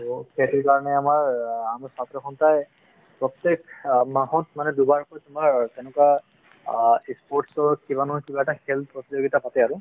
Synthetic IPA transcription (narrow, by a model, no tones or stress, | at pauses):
ketikaɹɔnɛamaɹamaɹsatɹɔxʰɔntaj | pɹɔtːekmaɦɔtmanɛdubaɹpɔjtʊmaɹtɛnɛkwa | ispɔɹʈsɔɹkibanukibaɛtaxɛlt̪̚ʰpɹɔtid͡ʒoɡitapatɛaɹʊ